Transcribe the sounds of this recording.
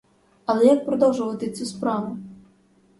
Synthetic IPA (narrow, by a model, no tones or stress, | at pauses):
ɐlˠɛjak̚pɾɔd̪ɔwʒʊʋɐt̪ɪt͡sʲuspɾɑʋʊ